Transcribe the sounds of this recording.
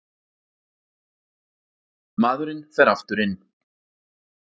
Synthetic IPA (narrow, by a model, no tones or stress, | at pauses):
maːðʏɾɪnfɛɾaft̪ʏɾɪnː